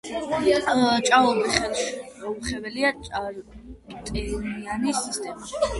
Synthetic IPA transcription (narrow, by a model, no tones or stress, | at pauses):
t͡ʃʼaɔbiχɛlˠʃɔuχɛbɛliat͡ʃʼaɾt̪ʼɛnianisist̪ʼɛmaʃi̥